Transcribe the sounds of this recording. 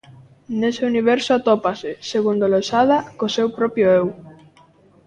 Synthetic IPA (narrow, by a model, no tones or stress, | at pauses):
neseuniβ̞ɛɾsoat̪opasɪseɣund̪olosaðakosewpɾɔpjoew